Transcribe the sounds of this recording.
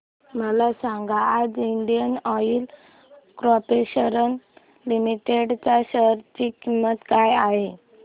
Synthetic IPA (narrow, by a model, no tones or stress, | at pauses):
məlasãŋɡaːd͡ziɳɖijənɔil | kɾɔpeɕəɾən | limiʈeɽt͡ɕaɕəɾt͡ɕikimːət̪kajaɦe